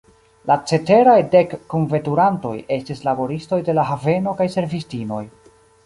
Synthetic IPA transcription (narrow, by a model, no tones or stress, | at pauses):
lat͡se̞te̞ɾajde̞kːunve̞tuɾanto̞̰je̞stislabo̞ɾisto̞jde̞laɦave̞no̞kajse̞ɾvistino̞̰j